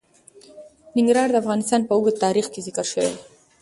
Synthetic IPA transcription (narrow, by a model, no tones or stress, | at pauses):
nɪŋɡɾɑɾd̪əafɣɑnɪst̪ɑnpəʊɡəd̪̚t̪ːɑɾixkezɪkəɾʃəwḛ